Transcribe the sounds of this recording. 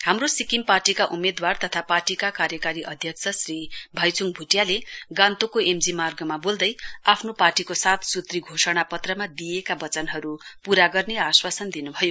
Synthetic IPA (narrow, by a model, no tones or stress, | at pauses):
hamrosikimparʈikaʔumed̪wart̪ʌt̪ʰaparʈikakaɾjʌkaɾiʔʌd̪ʱjʌk̚t͡sʰʌsribʱʌjt͡suŋbʱuʈjaleɡant̪okoemd͡zimarɡʌmabold̪ʌjapʰnoparʈikosat̪ʰsut̪riɡʱosʌɽ̃apʌt̪rʌmad̪ijekabʌt͡sʌnɦʌɾupuɾaɡʌrneaswasʌnd̪inubʱʌjo